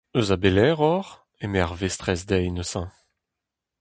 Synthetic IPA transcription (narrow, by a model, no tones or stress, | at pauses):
øzabelɛːʁɔʁ | emeaʁvest̪ʁɛsd̪ɛjnəsɑ̃